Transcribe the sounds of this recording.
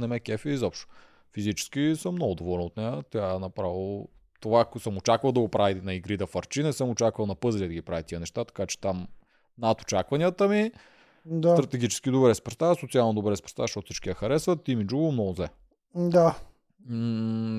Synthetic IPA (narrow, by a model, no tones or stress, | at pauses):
nɛmɛkʲɛfiizɔpʃt̪ʊ̥ | fizit͡ʃɛ̥skʲisəmːnɔɡʊd̪ovɔlɛnot̪nɛjət̪ʲɛanɐpɾavilˠ | t̪ovaksəmot͡ʃakvəlˠd̪ɐɡopɾavinɐiɡɾid̪ɐfɐɾt͡ʃinɛsəmot͡ʃakvəlˠnɐpɤzlʲid̪ɐɡʲipɾavit̪iənɛʃt̪at̪ɐ̥kat͡ʃɛ̥t̪am | nat̪o̥t͡ʃakvɐnʲiət̪əmi | d̪sat̪ɾɐt̪ɛɡʲit͡ʃɛ̥skʲid̪obɾɛspɾɛst̪asot̪sialˠnod̪obɾɛspɾɛ̥st̪azʃɔt̪ʊsit͡ʃkiəxɐɾɛsvət̪ːimid͡ʒuɡəmnɔɡʊzlɛ | d̪a